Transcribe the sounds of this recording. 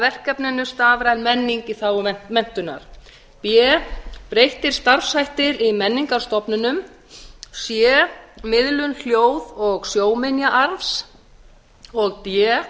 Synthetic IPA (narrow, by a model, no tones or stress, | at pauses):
vɛr̥kɛpnɪnʏst̪aːvɾaɛnmɛnːiŋciθawɛmɛn̥t̪ʏnːa̰ɾ̥ | pjɛpɾejht̪ɪɾ̥st̪aɾfsajht̪ɪɾimɛnːiŋkaɾ̥st̪ɔpnʏnʏm | sjɛmɪðlʏnl̥joːwðɔɣsjoːwmɪnjaʔaɾfs | ɔɣt̪jɛ